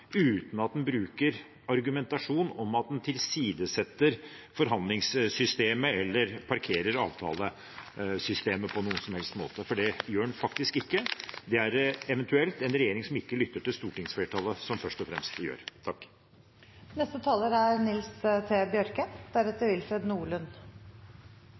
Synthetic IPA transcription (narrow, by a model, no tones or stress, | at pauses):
ʉːt̪n̩ɑt̪̚d̪ɛnbɾʉːkəɾ | ɑɾɡʉmɛnt̪ɑʂuːnɔmɑt̪̚d̪ɛnt̪ʰɪlsiːd̪əsɛt̪ːəɾ | fɔɾɦɑnd̪lɪŋssʏst̪eːməɛlːəɾpʰɑɾkʰeːɾəɾɑ̰ːʋt̪ʰɑ̰ːlə | sʏst̪eːməpʰɔnuːənsɔmhɛlst̪mo̰ːt̪əfɔɖɛjøːɛnfɑkt̪ɪskɪkːəd̪ɛæɾɛʋɛnt̪ʉɛlt̪ɛnɾɛjeːɾɪŋsɔmɪkːəlʏt̪ːəʈɪlst̪uːʈɪŋsfleːʈʰɑːləsɔmfœʂtɔfɾɛ̰mst̪jø̰ːɾt̪ʰɑkː | nɛst̪ət̪ʰɑːləɾæɾnɪlst̪ʰeːbjœɾkəd̪̥æɾɛt̪ːəʋɪlfɾɛd̪nuːɭʉn